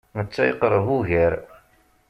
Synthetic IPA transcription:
mət͡sːæjəqɾˤəvuʝəɾ

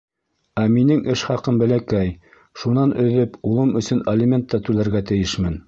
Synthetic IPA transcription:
æminɘŋʔɘʃχɑqɤmbæ̆lækæj | ʃunɑnɵ̆ðɘpulˠɤmɵ̆sɵnɐlʲɪmʲent̪ːɑt̪ʉlæɾɡæt̪ɘ̆jɘʃmɘn

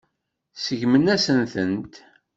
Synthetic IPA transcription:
səʝmənæsənθənt̪

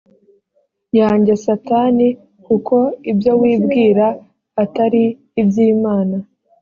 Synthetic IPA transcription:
jaːɲɟesataːni | kuko̞ibjo̞wiːbɡiːɾaː | taɾiː | bjiːmaːna

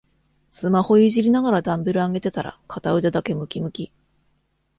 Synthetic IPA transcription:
sɨmaho̞iʑiɾʲinaɡaɾad̪ãmbɯ̟ɾɯ̟aŋɡe̞t̪e̞t̪aɾa̰kʰat̪aɯ̟d̪e̞d̪ake̞mɯ̟kʲimɯ̟kʲi

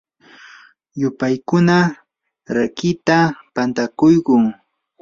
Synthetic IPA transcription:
jʊpajkʊna | ɾakɪt̪apant̪akʊjɢʊŋ

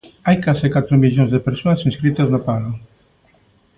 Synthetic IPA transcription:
ajkasɪkat̪ɾomiʎõnzðepeɾsonasĩnskɾit̪aznopalo

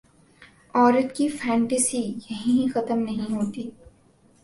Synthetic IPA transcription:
ɔːɾət̪kifɛ̃ːɳʈesijɐɦĩĩxɐt̪əmnɐɦĩɦoːt̪iː

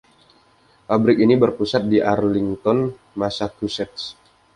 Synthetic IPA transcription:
fabɾɪkinibərpusat̪̚diʔarliŋt̪ɔn | masakusɛt̪s

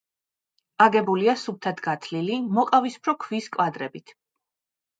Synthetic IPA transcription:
aɡɛbuliasup̚t̪ʰat̪ʰɡat̪ʰlilimɔqʼavispʰɾɔkʰviskʼwad̪ɾɛbit̪ʰ

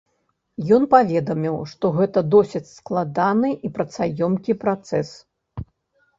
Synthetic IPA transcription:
jɔnpavʲɛd̪ɐmʲiwʂt̪ɔɣɛt̪ɐd̪ɔsʲɐt͡sʲsklˠad̪anɨʔipɾɐt̪sajɔmkʲipɾat̪sɛs

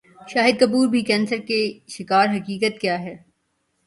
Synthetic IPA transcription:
ʃaːɦɪd̪̚kɐpuːɾbʱikɛ̃ːnsəɾkeʃɪkaːɾɦɐkiːkət̪̚kjaːɦɛː

